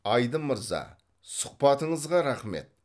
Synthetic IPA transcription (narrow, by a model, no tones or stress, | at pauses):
ɑjd̪əməɾzɑ̰ | sʊ̥q̚pɑt̪əɴəzʁɑɾɑχme̞̰t̪̚